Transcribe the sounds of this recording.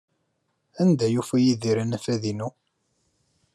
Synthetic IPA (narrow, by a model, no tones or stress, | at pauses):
ænd̪æjufæjiðiɾænæfæðinu